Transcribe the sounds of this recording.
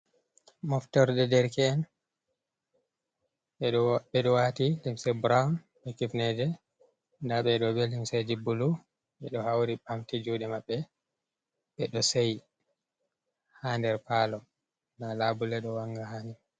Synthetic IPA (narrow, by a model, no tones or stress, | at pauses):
mɔftɔɾdɛdɛɾkɛːn | ɓɛɓɛɗɔwatilimsɛbɾawn | ɓɛkifnɛd͡ʒɛ | ndaɓɛɗɔbɛlimsad͡ʒibulu | ɓɛɗɔhawɾibamtid͡ʒuɗɛmaɓːɛ | ɓɛɗɔsej | haːndɛɾpaːlɔ | dalaːbulɛɗɔwaŋɡahaːni